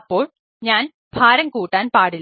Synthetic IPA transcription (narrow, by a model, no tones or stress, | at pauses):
pːoːɭ | ɲaːn | bʱaːɾɐŋkuːʈːaːnpaːɽɪl